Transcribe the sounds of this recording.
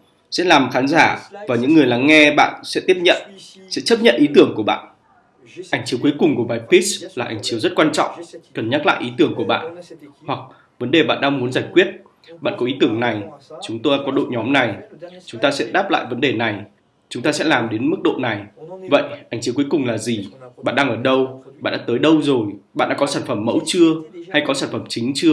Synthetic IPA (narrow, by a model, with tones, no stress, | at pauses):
sɛ̰˧˥laː˨˩mxaː˨˦nzaː˧˩vaː˨˩ɲɨ̰˧˥ŋːɨ˨˩əjla˨˦ŋːɛ˧ɓa̰ː˧˨nsɛ̰˧˥t̪i˦˥əp̚ɲə̰˧˨n | sɛ̰˧˥t͡ɕə˦˥p̚ɲə̰˧˨nʔi˨˦t̪ɨ˧˩əŋku˧˩əɓa̰ː˧˨n | ʔa˧˩jŋ̟t͡ɕi˨˦əku˨˦jkʊ˨˩ŋ͡mku˧˩əɓaː˨˩jpi˦˥slaː˨˩ʔa˨˧˩jŋ̟t͡ɕi˨˦əwzə˦˥t̚kwaː˧nt͡ɕɔ̰˧˨wŋ͡mkə˨˩nɲa˦˥t̚la̰ː˧˨ʔi˨˦t̪ɨ˧˩əŋku˧˩əɓa̰ː˧˨nhwa˨˩k̚ | və˨˦nɗe˨˩ɓa̰ː˧˨nɗaː˧mu˨˦ənzaː˧˩jkwi˦˥ət̚ | ɓa̰ː˧˨nkɔ˨˦ʔi˨˦t̪ɨ˧˩əŋna˨˩jt͡ɕʊ˨˦ŋ͡mt̪o˧ja˧kɔ˨˦ɗo̰˧˨ɲɔ˨˦mna˨˩jt͡ɕʊ˨˦ŋ͡mt̪aː˧sɛ̰˧˥ɗaː˦˥p̚la̰ː˧˨jvə˨˦nɗe˨˩na˨˩j | t͡ɕʊ˨˦ŋ͡mt̪aː˧sɛ̰˧˥laː˨˩mɗe˨˦nmɨ˦˥k̚ɗo̰˧˨na˨˩jvə̰˧˨jʔa˧˩jŋ̟t͡ɕi˨˦wku˨˦kʊ˨˩ŋ͡mlaː˨˩zi˨˩ɓa̰ː˧˨nɗaː˧ŋʔəː˧˩ɗə˧wɓa̰ː˧˨ɗa̰ː˧˥t̪əː˨˦jɗə˧wzo˨˩jɓa̰ː˧˨nɗa̰ː˧˥kɔ˨˦saː˧˩nfə˧˩mːə̰˧˥wt͡ɕɨ˧əha˧jkɔ˨˦saː˧˩nfə˧˩mt͡ɕï˨˦ŋ̟t͡ɕɨ˧ə